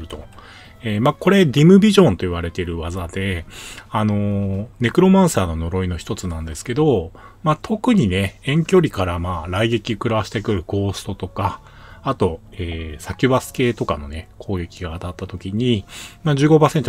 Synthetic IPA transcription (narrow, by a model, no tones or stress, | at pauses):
ɾɯ̟t̪o̞ | eːmako̞ɾe̞d̪ʲimɯ̟bʲiʑõ̞nt̪o̞iβ̞aɾe̞t̪e̞ɾɯ̟βazad̪e̞ano̞ne̞kɯ̟ɾo̞mãɰ̃saːno̞no̞ɾo̞ino̞çi̥t̪o̞t͡sɨnãnd̪e̞sɨ̥ke̞d̪o̞ | mat̪ʰo̞kɯ̟ɲ̟ine̞ẽ̞ŋkʲo̞ɾʲikaɾamaːɾaiɡe̞kʲiokɯ̟ɾaβaɕi̥t̪e̞kɯ̟ɾɯ̟ɡo̞ːsɨ̥t̪o̞t̪o̞kaː | t̪o̞eːsakʲɨ̟basɨ̥ke̞ːt̪o̞kano̞ne̞kʰo̞ːɡe̞kʲiɡaːt̪at̪ːat̪o̞kʲiɲ̟imaːd͡ʑɨːɡo̞basent̪o